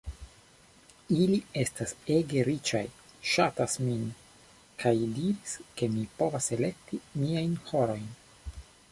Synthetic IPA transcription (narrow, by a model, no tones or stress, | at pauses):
ilie̞stase̞ɡe̞ɾit͡ʃa̰jʃatasmin | kʰajdiɾiske̞mipo̞vase̞le̞k̚timiajnho̞ɾo̞jn